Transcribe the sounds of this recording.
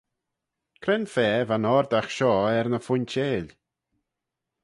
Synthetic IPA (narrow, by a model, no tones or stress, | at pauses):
kʰɾɛnfɛːvanɔɾd̪axʃɔːɛɾnəfʊnt͡ʃeːlʲ